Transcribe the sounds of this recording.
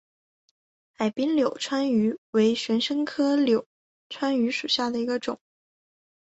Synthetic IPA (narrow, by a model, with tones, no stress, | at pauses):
a˨˩ɪpi˥nljo˨˩ʊʈ͡ʂʰwa˥ny˧˥we˧˥ɪɕɥɛ˧˥nʂɤ˥ŋkʰɤ˥ljo˨˩˦ʊ | ʈ͡ʂʰwa˥ny˧˥ʂu˨˩ɕja˥˩d̪ə˩i˧˥ɡə˧ʈ͡ʂʊ˨˩˦ŋ